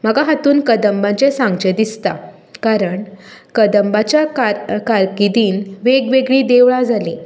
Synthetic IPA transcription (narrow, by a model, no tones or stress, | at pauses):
m̤əɡaɦat̪uːnkəd̪əmbat͡sesãŋɡt͡ɕed̪ist̪a̰ | kaɾəɳkəd̪əmbat͡ɕjakakaɾkid̪iːnʋeɡʋeɡɭiːd̪eʋɭad͡zale